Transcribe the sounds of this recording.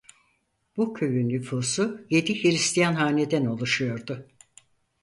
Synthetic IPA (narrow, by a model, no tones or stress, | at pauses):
b̥ucʰøɥynːyfuːsuje̞d̪içiɾist̪ʰijanɦaːned̪ɛno̞lˠuʃujo̞ɾd̪ʊ